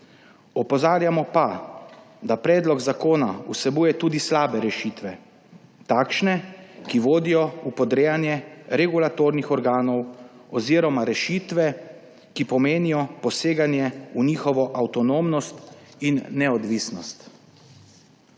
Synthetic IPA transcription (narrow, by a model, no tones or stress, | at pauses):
ɔpɔzaːɾjamɔpa | d̪apɾɛːd̪lɔɡzakoːnausɛbuːjɛt̪uːd̪islaːbɛɾɛʃit̪ʋɛ | t̪aːkʃnɛkiʋoːd̪ijɔupɔd̪ɾeːjanjɛɾɛɡulat̪oːɾnixɔɾɡaːnɔwɔziɾɔmaɾɛʃiːt̪ʋɛ | kipɔmeːnijɔpɔseːɡanjɛuniːxɔʋɔʔawt̪ɔnoːmnɔst̪inːɛɔd̪ʋiːsnɔst̪